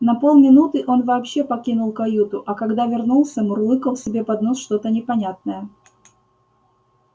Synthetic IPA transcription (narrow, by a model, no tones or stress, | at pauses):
nɐpolˠmʲɪnut̪ɨʔo̞nvɐːpɕːe̞pɐkʲinʊlˠkɐjut̪ʊʔɐkɐɡd̪avʲɪrnulˠsʲəmrlˠɨkəlsʲɪbʲe̞pɐd̪no̞sʂt̪o̞t̪ənʲɪpɐnʲat̪̚nəjə